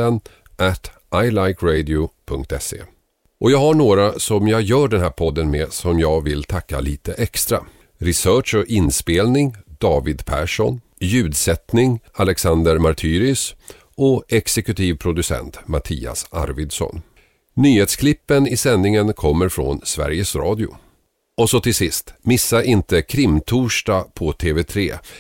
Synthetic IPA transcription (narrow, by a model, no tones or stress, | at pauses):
ən | ʔæt̪ʔajlajkɾɛd̪ɪʊpʰɵŋk̚t̪ɛsḛː | ʔɔjɑːɡhaɳoːɾasɔmjɑːɡjœːɖɛnɦæːɾpʰɔd̪ːənmeːsɔmjɑːɡvɪlt̪ʰakːa̰liːt̪əʔɛkst̪ɾa̰ | ɾɪsœːʂɔʔɪnspeːlnɪŋd̪ɑːvɪd̪pʰæ̰ːʂɔn | jʉ̟ːd̪sɛt̪nɪŋalɛksand̪əɾmaɾt̪ʰyːɾʏs | ɔɛksɛkɵt̪ʰiːvpʰɾʊd̪ɵsɛ̰nt̪mat̪ʰḭːa̰sa̰ɾvɪd̪sɔ̰n | nyːheːt̪skʰlɪpːənɪsɛnːɪŋənkʰɔmːəɾfɾɔ̰nsvæ̰ɾjəsɾɑːd̪ɪʊ̰ | ɔsɔt̪ʰɪlsɪst̪mɪsːaʔɪnt̪əkʰɾɪmt̪ʰuːʂʈapʰɔt̪ʰeːvɛt̪ʰɾeː